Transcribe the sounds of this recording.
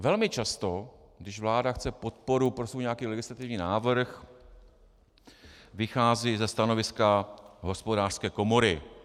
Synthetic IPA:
vɛlmɪt͡ʃast̪o̞ | ɡdɪʃvlaːdaxt͡sɛpo̞t̪̚po̞ɾupɾosvuːjɲɛjakiːlɛɡɪslat̪ɪvɲiːnaːvr̩x | vɪxaːziːzɛst̪ano̞vɪskaɦo̞spo̞daːr̥skɛːko̞mo̞ɾɪ

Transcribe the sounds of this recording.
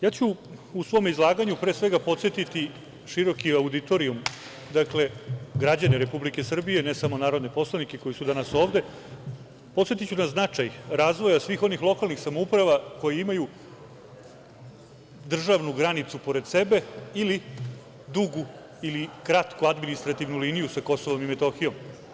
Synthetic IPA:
jaːt͡ɕuːsʋo̞ːmizlˠaːɡaɲupɾeːsʋe̞ɡapo̞t̪se̞t̪it̪i | ʃiɾo̞kiaud̪it̪o̞ɾium | d̪akle̞ɡɾad͡ʑaneɾe̞publike̞sr̩bije̞nesamo̞naːɾo̞d̪nepo̞slˠanikeko̞jisud̪anaso̞ːʋd̪e̞ | pot̪sje̞t̪it͡ɕunaznat͡ʂajɾaːzʋo̞jasʋiːxo̞nixlˠo̞kalˠnixsamoupɾaʋako̞jeimaju | d̪r̩ʒaʋnuɡɾanit̪supo̞ɾe̞d̪se̞be̞ili | d̪uɡu | ilikɾat̪kuad̪minist̪ɾat̪iʋnulinijusako̞soʋo̞mimet̪oxijo̞m

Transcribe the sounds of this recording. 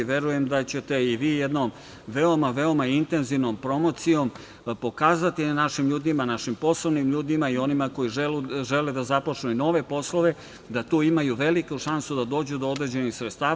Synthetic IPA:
ʋje̞ɾuje̞md̪at͡ɕe̞t̪e̞iʋiːjed̪nom | ʋe̞omaʋe̞omaint̪e̞nziʋnompɾo̞mo̞t̪sijo̞m | po̞kaːzat̪inaʃimʎuːd̪imanaʃimpo̞sloʋnimʎuːd̪imaio̞nimako̞jiʒeluʒeled̪azapot͡ʂnuino̞ʋe̞po̞sloʋe̞ | d̪at̪uːimajuʋe̞likuʃansud̪ad̪o̞ːd͡ʑud̪ood̪ɾe̞d͡ʑe̞nixsɾet̪st̪aː

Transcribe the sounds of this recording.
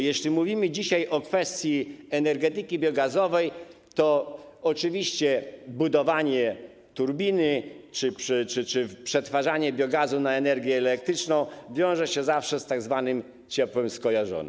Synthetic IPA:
jɛɕlʲimuvʲimɘd͡ʑiɕajʔɔkfɛst̪ʲjiɛnɛɾɡɛt̪ɘkʲibʲjɔɡazɔvɛj | t̪ɔɔt͡ʂɘvʲiɕt͡ɕɛbud̪ɔvaɲɛ | t̪uɾbʲinɘt͡ʂɘpʂɘt͡ʂɘt͡ʂɘpʂɛt̪faʐaɲɛbʲjɔɡazunaɛnɛɾɡʲjɛːlɛk̚t̪ɾɘt͡ʂnɔ̃w̃vʲjɔ̃w̃ʐɛɕɛzafʂɛst̪aɡzvanɘm | t͡ɕɛpwɛmskɔjaʐɔ̰n̰

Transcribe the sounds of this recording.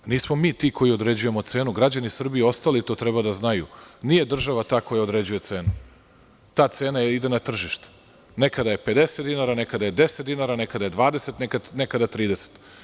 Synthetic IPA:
niːsmomiːt̪ikʰo̞jio̞d̪ɾe̞d͡ʑuje̞mot̪se̞ːnuɡɾad͡ʑanisr̩biio̞st̪alit̪o̞ːt̪ɾɛbad̪aznajṵniːje̞d̪r̩ʒaʋat̪aːko̞jao̞d̪ɾe̞d͡ʑuje̞t̪se̞ːnu | t̪aːt̪seːnajeid̪enat̪r̩ʒiʃt̪e̥ | nekad̪aje̞pe̞d̪e̞set̪inaɾanekad̪aje̞d̪eset̪d̪inaɾanekad̪aje̞d̪ʋaːd̪eset̪nekanekad̪at̪ɾiːd̪e̞se̥t̪

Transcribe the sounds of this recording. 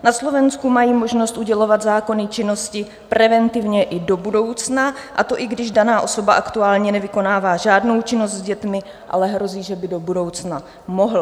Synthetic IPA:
naslo̞vɛnskumajiːmo̞ʒno̞st̪ʔuɟɛlo̞vad̪zaːko̞nɪt͡ʃɪno̞scɪ | pɾɛvɛnt̪ɪvɲɛʔɪdo̞budo̞wt͡snaʔa̰t̪o̞ʔɪɡdɪʒdanaːʔo̞so̞baʔakt̪uaːlɲɛnɛvɪko̞naːvaːʒaːdno̞wt͡ʃɪnost̪zɟɛt̪mɪ | ʔa̰lɛɦɾo̞ziːʒɛbɪdo̞budo̞wt͡sna | mo̞ɦl̩

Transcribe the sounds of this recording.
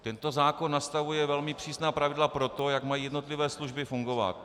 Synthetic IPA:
t̪ɛnt̪o̞zaːkonːast̪avujɛvɛlmɪpr̥iːsnaːpɾavɪdlapɾo̞t̪o̞jakmajiːjɛdno̞t̪lɪvɛːsluʒbɪfuŋɡo̞va̰t̪

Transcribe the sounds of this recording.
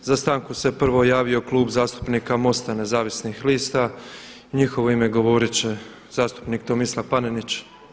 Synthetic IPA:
zast̪aːŋkuse̞pr̩ʋo̞jaːʋio̞klˠuːbzaːst̪u̥pniːkamo̞st̪ane̞zaːʋisnixliːst̪aiɲixo̞ʋo̞ime̞ɡo̞ʋo̞ɾit͡ɕe̞ | z̥aːst̪u̥pniːk̚t̪omislˠapanenit͡ɕ

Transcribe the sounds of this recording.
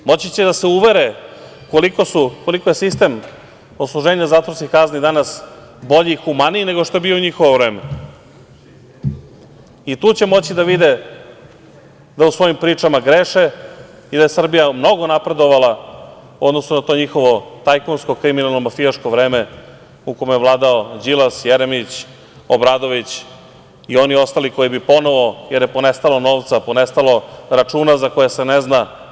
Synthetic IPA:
mo̞t͡ɕit͡ɕed̪aseuʋe̞ɾe | ko̞liko̞suko̞liko̞je̞sist̪e̞m | oslˠuʒe̞ːɲazaːt̪vo̞ɾskixkaznid̪anas | bo̞ʎiːxumanine̞ɡo̞ʃt̪o̞je̞biouɲixoʋoʋɾe̞ːme | it̪uːt͡ɕe̞mo̞t͡ɕid̪aʋid̪e | d̪ausʋo̞jimpɾiːt͡ʂamaɡɾe̞ʃe | id̪aje̞sr̩bijamno̞ɡo̞napɾe̞d̪o̞ʋala | o̞d̪no̞snonat̪o̞ːɲixo̞ʋo̞t̪ajkonsko̞kɾiminalˠno̞mafijaʂko̞ʋɾeːme | ukomejeʋlˠaːd̪aod͡ʑilasjeɾemit͡ɕ | obɾaːd̪o̞ʋit͡ɕ | io̞nio̞st̪aliko̞jibipo̞no̞ʋo̞je̞ɾjepo̞ne̞st̪alo̞noːʋt̪sapo̞ne̞st̪alo̞ɾat͡ʂuːnazako̞jesenezna

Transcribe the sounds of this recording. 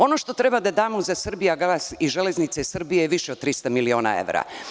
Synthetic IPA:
o̞noʃt̪o̞t̪ɾe̞bad̪ad̪aːmozasr̩bijaɡasiʒele̞znit̪seisr̩bijejeʋiʃeod̪t̪ɾist̪amilio̞ːna̰ḛʋɾa̰

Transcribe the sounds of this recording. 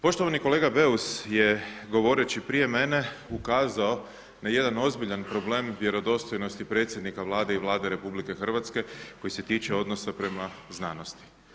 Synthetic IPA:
po̞ʃt̪o̞ʋanikole̞ːɡabe̞usjeɡo̞ʋo̞ɾe̞t͡ɕipɾijeme̞ne̞ukaːzao̞ | naje̞d̪ano̞zbiʎanpɾo̞bleːmʋje̞ɾo̞d̪o̞st̪o̞jno̞st̪ipɾe̞t̪sʲje̞d̪nikaʋlˠaːd̪eiʋlˠaːd̪e̞ɾe̞publike̞xr̩ʋat̪ske̞ko̞jise̞t̪iːt͡ʃeo̞d̪no̞sapɾe̞mazna̰ːno̞st̪i̥

